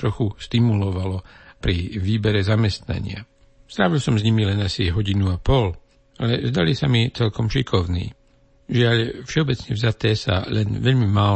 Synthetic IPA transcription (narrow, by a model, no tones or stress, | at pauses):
ɾɔxust̪imulɔʋalɔpɾiʋiːbɛɾɛzamɛst̪na̰ɲɪa̰ | st̪ɾaːʋilsɔmzɲimilɛnasiɦɔɟinuapɔl | alɛzd̪alisamit͡sɛlkɔmʃikʰɔʊnḭː | ʒɪaʎfʃɛɔbɛt͡sɲɛvzat̪ɛːsa̰lɛnʋɛʎmimaː